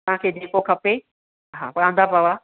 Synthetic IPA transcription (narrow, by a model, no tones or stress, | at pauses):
t̪ɐɦãkʰeːd͡ʑeːkokʰɐpe | ɦaːpɐɾãːnd̪apəʋaː